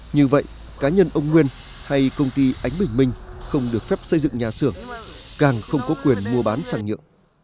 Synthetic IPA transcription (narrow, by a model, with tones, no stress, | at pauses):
ɲɨ˧və̰˧˨jʔ | kaː˨˦ɲə˧nʔə˧wŋ͡mŋwi˧ən | ha˧jkə˧wŋ͡mt̪i˧ʔa˨˦jŋ̟ɓï˨˩ŋ̟mï˧ŋ̟xə˧wŋ͡mɗɨ˨˩ək̚fɛ˦˥p̚sə˧jzɨ̰˧˨ŋɲaː˨˩sɨ˧˩əŋkaː˨˩ŋxə˧wŋ͡mkɔ˨˦kwi˨˩ənmu˧əɓaː˨˦nsaː˧˩ŋɲɨ̰˧˨əŋ